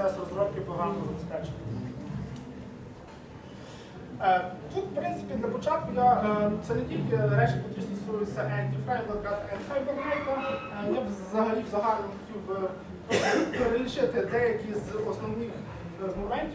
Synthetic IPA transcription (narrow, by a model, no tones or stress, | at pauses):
ɛsɔɾzɾɔwkʲɪpɾɔɦɾamɔzɐbɪspɛt͡ʃɪnʲɪ | t̪ut̪fpɾɪnsɪ̥pʲid̪lɐpɔt͡ʃɑt̪̚kʊd̪ʲɐt̪sɛnɛkʲilʲkɪɾɛt͡ʃɪjʲɐkʲist̪ɔsujʊt͡sʲːɐʔɛnʲd̪ʲifɾɛjmlˠɐkat̪ɐɛnfɛjbɐnmɛjk̪ɐ | jɛʋzɐɦɐlʲiwzɐɦɑlʲɪnɔsʲtʲubɪ | peɾelʲiʃɪt̪ɪd̪ɛjɐkʲizɔsnɔwnɪx | zmɔmɛnʲtʲ